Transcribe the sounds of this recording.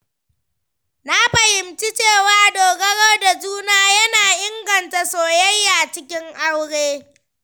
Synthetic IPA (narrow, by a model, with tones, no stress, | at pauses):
na˦ɸɐ˨hɪ˨mt͡ʃi˦t͡ʃeː˦˨waː˦doː˨ɡɐ˦ɽɔ˦rda˨d͡ʒuː˦naː˦jɐ˦naː˨ʔɪ˦ŋɡɐ˨nta˨soː˨jɐ˦jːa˨t͡ʃɪ˦kʲɪ˦ŋʔa˦wɽeː˦